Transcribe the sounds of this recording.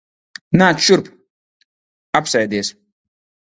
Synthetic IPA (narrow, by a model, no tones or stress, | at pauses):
naːt̪ʃuɾp | apsajd̪iɛs